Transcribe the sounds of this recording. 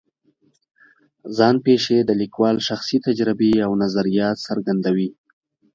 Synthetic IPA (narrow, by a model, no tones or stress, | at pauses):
zɑnpeʃed̪əlikwɑlʃaxsit̪ad͡ʒɾɪbeawnazaɾijɑt̪saɾɡand̪awi